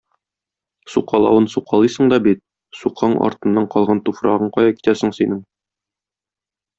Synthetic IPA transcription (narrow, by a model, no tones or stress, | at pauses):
suqɑlˠɑ̰wɤnsuqɑlˠɤjsɤ̆ɴd̪ɒbit̪̚ | suqʰɑɴɒ̰ɾt̪ɤ̆nːɑɴqɒlˠʁɑnt̪ufɾɑ̰ʁɤɴqɒjɑki̥t̪æsɘ̆ŋsinɘŋ